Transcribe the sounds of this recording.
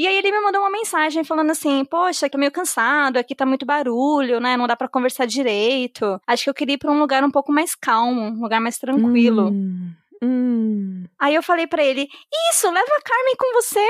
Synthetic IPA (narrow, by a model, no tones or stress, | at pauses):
iaielɪmɪmɐ̃nd̪oũmɐmẽsaʒẽj̃falɐ̃nd̪ʊasĩpoʃɐkt̪amejʊkɐ̃sad̪ʊakit̪amũj̃t̪ʊbaɾuʎʊnɛnɐ̃w̃d̪apɾɐkõveɾsaɾd͡ʒiɾejt̪ʰʊaʃʊ̥kɪewkeɾiɐpɾɐũluɡaɾũpowkʊmajskawmʊũluɡaɾmajst̪ɾɐ̃kwilʊ̃ | aiewfalejpɾɐelɪisʊlɛvɐːkaɾmẽj̃kõvose